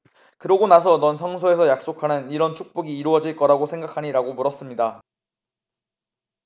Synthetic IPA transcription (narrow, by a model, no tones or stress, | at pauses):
kɯɾʌɡonas̬ʰʌnʌnsʰʌŋsʰoe̞sʰʌjak̚s͈okʰanɯniɾʌnt͡ɕʰuk̚p͈oɡiːɾuʌd͡ʑiɭk͈ʌɾaɡosʰe̞ŋɡakʰaɲiɾaɡomuɾʌs͈ɯmɲida